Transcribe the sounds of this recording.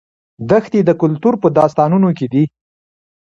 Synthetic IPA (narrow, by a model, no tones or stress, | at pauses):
d̪əxt̪ed̪əkʊlt̪uɾpəd̪ɑst̪ɑnunoked̪i